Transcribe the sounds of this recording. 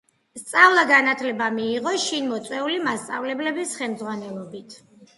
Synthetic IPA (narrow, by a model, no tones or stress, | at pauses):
st̪sʼavlˠaɡanat̪ʰlɛbamiːʁɔʃinmɔt̪sʼwɛulimast̪sʼa̰vlɛblɛbisχɛlmd̪zʁwanɛlˠɔbit̪ʰ